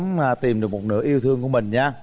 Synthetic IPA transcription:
maː˨˩t̪i˨˩mɗɨ˨˩ək̚mo˨˩t̚nɨ̰˧˥ʔi˧əwt̪ʰɨ˧əŋku˧˥əmï˨˩ŋ̟ɲaː˧

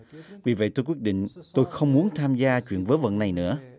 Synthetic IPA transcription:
vi˨˩və̰˧˨jt̪ʰɨ˧kwi˦˥ət̚ɗḭ˧˨ŋ̟t̪o˧jxə˧wŋ͡mmu˨˦ənt̪ʰaː˧mzaː˧t͡ɕwḭ˧˨ənvəː˨˦jvə̰˧˨na˨˩jnɨ̰˧˥ə

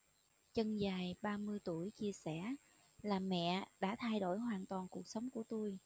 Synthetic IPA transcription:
t͡ɕə˧nzaː˨˩jɓaː˧mɨ˧əjt̪u˧˩əjt͡ɕi˧əsɛ˧˩ | laː˨˩mɛ̰˧˨ɗa̰ː˧˥t̪ʰa˧jɗo˧˩jɦwaː˨˩nt̪waː˨˩nku˨˩ək̚sə˨˦wŋ͡mku˧˩ət̪u˧j

